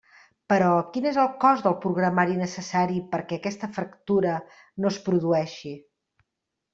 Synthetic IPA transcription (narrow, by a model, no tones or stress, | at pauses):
pəɾɔkinezəlˠkɔzðəlˠpɾuɣɾəmaɾinəsəsaɾipəɾkɛəkɛst̪əfɾəkt̪uɾə | nospɾuðuɛʃi